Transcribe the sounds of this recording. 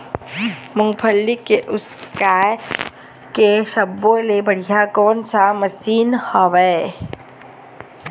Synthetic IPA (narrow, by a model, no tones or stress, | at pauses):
mʊ̃ŋpʰəlːikeʔʊskaːj | keʃɐbːõlebɐɽ̤ijakɔːnsamɐsiːnhaʋɛː